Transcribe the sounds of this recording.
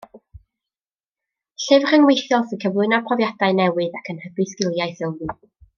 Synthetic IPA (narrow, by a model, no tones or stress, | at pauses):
ɬɪvr̥əŋwejθjɔlˠsəkʰəvlˠɪnapʰrɔvjadaɨnɛwɨðakʰənhəɡɨskɪlˠjaɨθɪlˠvɨ